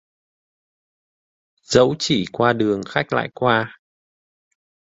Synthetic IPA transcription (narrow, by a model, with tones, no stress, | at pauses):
z̥ə̰˧˥wt͡ɕi˧˩kwaː˧ɗɨ˨˩əŋxa˦˥jk̚la̰ː˧˨jkwaː˧